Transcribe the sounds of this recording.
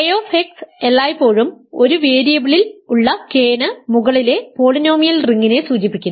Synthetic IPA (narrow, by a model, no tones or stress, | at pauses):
ɐjoːfekselːaːjpːo̞ːɻumo̞ɾuʋeːɾijɐbiɭiluɭːɐkeːnɐmuɣɐɭile̞po̞ːɭino̞ːmijɐlriŋɡine̞suːt͡ɕipːikʲːun